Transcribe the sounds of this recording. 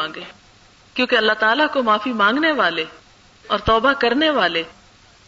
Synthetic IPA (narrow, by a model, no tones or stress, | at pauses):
ãːɡeː | kjõːkeɐlːaɦt̪aːlakomaːfimãːŋɡneʋaːle | ɔːɾt̪ɔːbakɐɾneʋaːle